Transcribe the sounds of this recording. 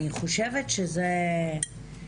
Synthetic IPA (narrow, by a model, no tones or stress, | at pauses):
niχoʃevet̪ʃeze